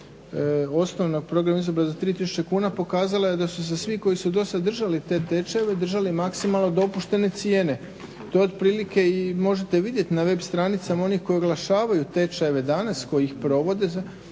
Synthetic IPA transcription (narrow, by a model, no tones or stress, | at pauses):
o̞snoʋnoɡ̚pɾo̞ɡɾamizobɾazat̪ɾiːt̪isu̥t͡ʃekuːnapo̞kaːzalajed̪asus̬esʋiko̞jisud̪o̞sad̪ːr̩ʒalit̪e̞t̪e̞t͡ʃaeʋe̞d̪r̩ʒalimaksimalˠnod̪o̞puʃt̪e̞ne̞t̪sijeːne̞ | t̪ood̪pɾiːlike̞imo̞ʒe̞t̪e̞ʋid̪je̞t̪inaʋe̞bst̪ɾanit̪samao̞nixko̞joɡlˠaʃaːʋajut̪e̞t͡ʃaeʋe̞d̪anasko̞jiixpɾo̞ʋo̞d̪e